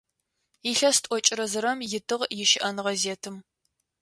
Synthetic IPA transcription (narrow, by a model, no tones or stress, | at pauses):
iɬɐstʷʼɔt͡ʃʼɪɾɐzɨɾɐmjɪtʰɨʁjɪʃɪʔɐnʁɐzeːtʰɨm